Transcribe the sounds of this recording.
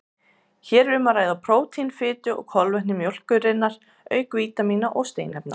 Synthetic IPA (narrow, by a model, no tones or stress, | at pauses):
çɛːɾʏmaɾaːjðapʰɾoːwt̪ʰinfɪːt̪ʏɔ̰ɣkʰɔlvɛhnɪmjowl̥kʏrɪnːaɾ̥ | œːɥkviːt̪amiːnaʔɔɣst̪eːjnɛp̚na̰